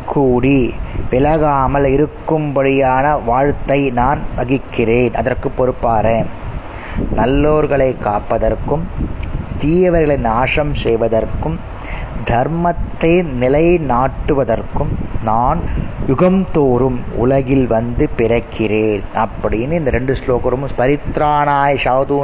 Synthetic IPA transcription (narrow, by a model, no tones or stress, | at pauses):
kʰuːɽiʋɪlɐɣaːmɐlɪɾɯkːɯmbɐɽɪjaːnɐʋaːɻt̪ːɐɪnaːnʋɐɣɪkːɪreːnʔɐ̰ðɐrkɯpːɔɾɯpːaːɾe | nɐlːoːɾɣɐɭɐɪkːaːpːɐðɐɾkɯmt̪iːjɐʋɐɾɣɐɭɐɪnaːʂɐmsɛjʋɐðɐrkɯm | d̪ʱɐɾmɐt̪ːɐːnɪlɐɪnaːʈːɯʋɐðɐrkɯmnaːnjʊɣɐmt̪oːɾɯmʊ̰lɐɣɪlʋɐnd̪ɯpɪɾɐkʰːɪreːnɐpːɐɽɪjɪnːɯɪnd̪ɐɾɛɳɖɯsloːkɐɾɐmɯmspɐɾɪt̪ɾaːnaːjʂaːt̪uː